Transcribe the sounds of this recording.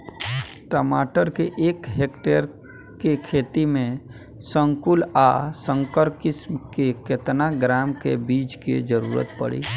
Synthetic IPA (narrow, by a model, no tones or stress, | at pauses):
ʈəmaːʈəɾkeʔeːkɦeːkʈeɾ | kekʰeːt̪imẽ | sə̃ŋkʊlasə̃ŋkəɾkɪsmkeket̪naɡɾaːmkebiːt͡ʃkḛd͡ʒəɾṵːɾə̰t̪pə̰ɽḭː